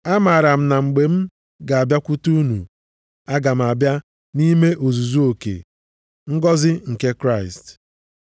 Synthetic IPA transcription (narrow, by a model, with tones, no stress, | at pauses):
a˦ma˨ɾa˨m̩˨na˨ŋ͡m̩˨ɡ͡be˨m̩˦ | ɡa˨a˨bja˦kʷu˦tu˦u˦nṵ˨ | a˦ɡa˨m̩˨a˨bja˦ | ni˦me˦ʔo˨zu˨zu˦o˨kḛ˨ | ŋ̩˦ɡɔ˦zɪ˦ŋ̩˨ke˦kɾa˦˨ɪ˨st